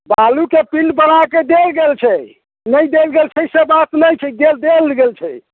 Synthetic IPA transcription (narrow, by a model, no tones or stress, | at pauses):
balukepinɖbənaked̪elɡelt͡ʃʰɛ | nəjd̪elɡelt͡ʃʰɛsebat̪nəjt͡ʃʰɛd̪eld̪elɡelt͡ʃʰɛ